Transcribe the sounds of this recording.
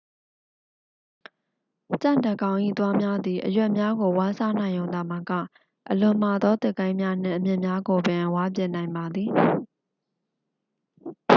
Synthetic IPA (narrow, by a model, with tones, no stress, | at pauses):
t͡ɕã̰˦˨ndə˨kã˨ʊ̃ʔḭ˦˨t̪wa˦mja˦d̪i˨ʔə̰jwɛ˦ʔmja˦ɡo˨wa˦sa˦nã˨ɪ̃jõ˨ʊ̃nd̪a˨mə˨kä̰˦˨ | ʔəlʊ̃˨m̥a˨d̪ɔ˦t̪ɪ˦˨kã˦ɪ̃mja˦n̥ɪ̰̃˦˨ʔəmjɪ̃˦˨mja˦ɡo˨bɪ̃˨ʔwa˦p̬jɛ˦ʔnã˨ɪ̃mba˨d̪ði˨